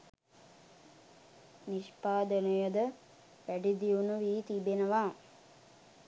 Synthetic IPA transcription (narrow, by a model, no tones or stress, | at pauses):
niʃpaːd̪ənujəd̪ə | ʋæɖid̪iunuʋiːt̪ibenəʋaː